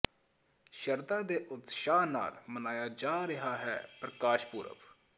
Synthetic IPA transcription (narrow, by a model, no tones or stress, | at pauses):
ʃəɾd̪ãːd̪eːʔʊt̪ʃaːna̰ːlmənaːjaːd͡ʒaːɾɪɦaːɦɛ̰ːpɾəkaːʃpuːɾə̰p